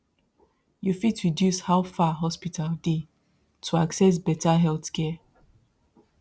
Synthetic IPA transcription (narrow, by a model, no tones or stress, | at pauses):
jufitɹidjushaʊfaɦɔspitʰalde | tʰuaksɛs̬bɛtʰaɦɛlθkʰɛ